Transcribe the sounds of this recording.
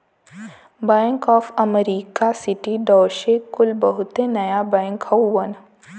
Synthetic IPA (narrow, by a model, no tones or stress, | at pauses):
bɛ̃ŋkɔːfɐmeɾiːkasɪʈiɖɔːʃekʊlbɐɦʊt̪enɐjabɛ̃ːŋkhɔwən